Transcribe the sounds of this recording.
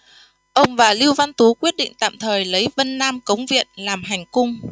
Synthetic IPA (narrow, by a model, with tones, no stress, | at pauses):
ʔə˧wŋ͡mvaː˨˩li˧əwva˧nt̪u˨˦kwi˦˥ət̚ɗḭ˧˨ŋ̟t̪a̰ː˧˨mt̪ʰəː˨˩jlə˨˦jvə˧nːaː˧mkə˨˦wŋ͡mvḭ˧˨ənlaː˨˩mɦa˨˩jŋ̟kʊ˧ŋ͡m